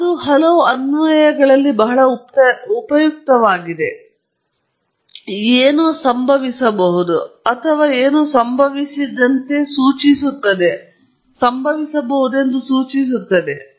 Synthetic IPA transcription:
ɐd̪uɦɐlɐʋuɐnʋɐjɐɡɐɭɐlːibɐɦɐɭɐuupɐjuk̚t̪ɐʋaːɡid̪e̞ | eːnoːsɐmbʱɐʋisɐbɐɦud̪uɐt̪ʰɐʋaːeːnuːsɐmbʱɐʋisid̪ɐnt̪e̞suːt͡ʃisut̪ːɐd̪e | sɐmbʱɐʋisɐbɐɦud̪e̞nd̪usuːt͡ʃis̬ut̪ːɐd̪e̞

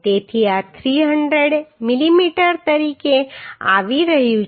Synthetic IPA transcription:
t̪et̪ʰiat̪ʰɾiɦə̃ɳɖɾəɽmilimiʈəɾt̪əɾikea̰ʋiɾəɦjũ

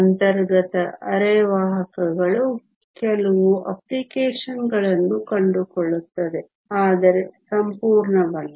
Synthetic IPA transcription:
ɐnt̪ɐɾɡɐt̪ɐʔɐɾɛːʋaːɦɐkɐɡɐɭu | kɛlɐʋuʔɐ̰plikeːʂɐnɡɐɭɐnːukɐɳɖukoɭut̪ːɐd̪e̞ | aːd̪ɐɾe̞sɐmpuːɾɳɐʋɐnːu

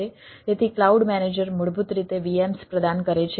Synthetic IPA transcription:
et̪et̪ʰiklauɖmɛned͡ʒəɾmuɭbut̪ɾit̪eʋiemspɾəd̪ankəɾet͡ʃʰ

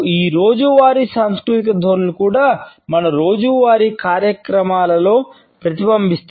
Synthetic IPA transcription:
iːɾo̞ːd͡ʒuʋaːɾisɐnskɾut̪ikɐd̪ʱoːɾulukuːɽaːmɐnɐɾo̞ːd͡ʒuʋaːɾikaːɾjɐkɾɐmaːlɐlo̞ː | pɾɐt̪ibɐmbʱist̪

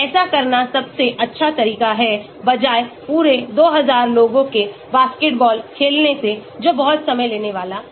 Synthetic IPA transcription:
ɛːsakɐɾnasɐbseʔɐtːʃʰat̪ɐɾiːkaɦɛ | bɐd͡ʒaːepuːɾed̪oːɦɐzaːɾloːɡõke | baːskeʈ̚bɔːlkʰeːlnesed͡ʒoːbɐɦɔt̪sɐməjleːneʋaːlaː

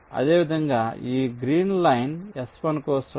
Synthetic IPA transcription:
ɐ̰d̪eːʋid̪ʱɐŋɡaːiːɡɾiːnlɐjnɛspɐnkoːsɾ

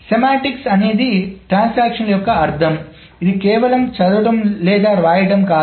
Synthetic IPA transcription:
semaːʈiksɐneːd̪iʈɾaːnsaːkʂɐnljɔkːɐɐɾt̪ʰɐm | id̪ikɛːʋɐlɐmt͡ʃɐd̪uɽɐmlɛːd̪aːɾʋaːjɐʈɐmkaː

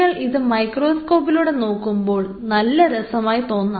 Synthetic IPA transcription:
ɐɭʔiðɨmɐjkro̞ːskoːpːiluːɽe̞no̞ːkːumbo̞ːɭ | nɐlːɐɾɐsɐmaːjit̪o̞ːnːɐ

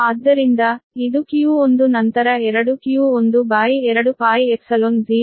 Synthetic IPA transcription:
aːd̪ːɐɾind̪ɐid̪ukijuond̪unɐnt̪ɐɾɐɛɾɐɽukijuond̪ubaːjiɛɾɐɽupaːjiepsɐlond͡ʒiː

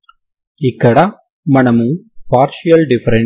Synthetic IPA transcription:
ɪkːɐɽa | mɐnɐmɯmpaːɾʃijɐlɖɪfɐɾɐ

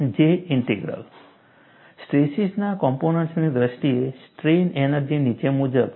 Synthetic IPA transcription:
d͡ʒeiɳʈeɡɾə̰l | sʈɾesisnakɔmponəɳʈsnid̪ɾəsʈiesʈɾenenəɾd͡ʒinit͡ʃemud͡ʒəb

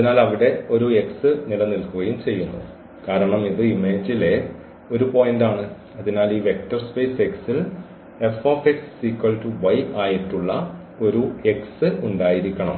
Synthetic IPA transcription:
ɐðinaːlɐʋiɽe̞o̞ɾue̞ksɨnilɐnilkuɣɐjumt͡ɕe̞jːunːṵ | kaːɾɐɳɐmiðɨime̞ːd͡ʑile | o̞ɾupo̞ːjndaːɳɨ | ɐðinaːliːʋe̞k̚ʈɐrspe̞ːse̞ksil | e̞foːfeksːikːɐlʈuʋɐjʔaːjiʈːuɭːɐ | o̞ɾue̞ksɨuɳɖaːjiɾikʲːɐɳɐm

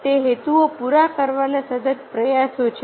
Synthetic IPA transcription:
t̪eɦet̪uopuɾakəɾʋanasəd̪ət̪pɾəjasot͡ʃʰe

